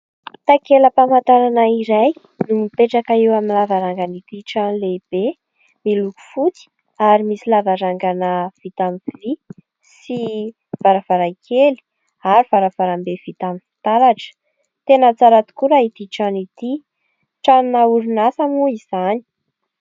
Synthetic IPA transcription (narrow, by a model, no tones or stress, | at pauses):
t̪akeləpamant̪ananaiɾaj | numipeʈ͡ʂakaewaminlavaɾaŋɡanit̪iʈ͡ʂanleb̥e | miluku̥fut͡si̥ | aɾimisilavaɾaŋɡanəv̥it̪amifili | si | v̥aɾavaɾajkʰeli̥ | aɾuv̥aɾav̥aɾambev̥it̪amifi̥t̪aɾaʈ͡ʂə̥ | t̪enət͡saɾat̪u̥kuɾaid̪iʈ͡ʂanit̪i | ʈ͡ʂannauɾunasamuiz̥ani̥